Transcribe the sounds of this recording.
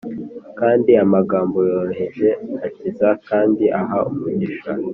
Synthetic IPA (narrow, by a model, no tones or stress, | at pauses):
kaːndiamaɡaːmbojoːɾoɦeʒe̞acizakaːndiʔaɦaumuɟiʃa